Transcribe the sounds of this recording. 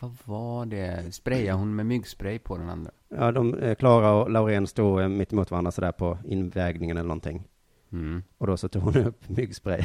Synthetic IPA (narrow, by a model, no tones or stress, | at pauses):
vavaɖɛspɾɛjaɦʊnmɛmʏɡspɾɛjpʰɔd̪ɛna̰nd̪ɾa̰jɑːd̪ɔmkʰlɑːɾaɔlaʊɾeːnst̪uːmɪt̪ːɪmuːt̪vaɾand̪ɾasɔd̪æːɾpʰɔɪnvɛɡnɪŋənɛlənɔ̰nt̪ʰɪŋː | ɔd̪ɔsɔt̪ʰuːɡhʊnɵpːmʏɡspɾɛ̰j